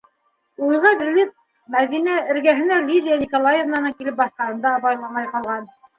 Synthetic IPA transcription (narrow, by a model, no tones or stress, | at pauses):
ujʁɤd̪ilis | mæðinæɘ̆ɾɡæɦɘ̆nælʲid̪ʲijanʲikolˠajevnɑnɤkilɘp̚bɑθqɑhɤ̆nd̪ɑːβɑjlˠɑmɑjqɑlˠʁɑn